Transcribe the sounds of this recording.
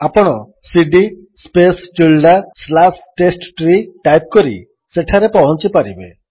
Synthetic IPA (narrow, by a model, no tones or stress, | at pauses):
apɔɽ̃ɔ | siɖi | spesʈilɖaslasʈesʈʈɾiʈajp̚kɔɾḭ | seʈʰaɾepɔɦɔnt͡ʃipaɾibḛ